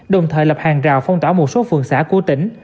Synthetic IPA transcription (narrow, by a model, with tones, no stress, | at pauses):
ɗə˨˩wŋ͡mt̪ʰəː˨jlə˨˩p̚haː˨˩ŋzaː˨˩wfə˧wŋ͡mt̪waː˧˦wmo˨˩t̚so˨˦fɨ˨˩əŋsa̰ː˧˥ku˧˩ət̪ï˧˦ŋ̟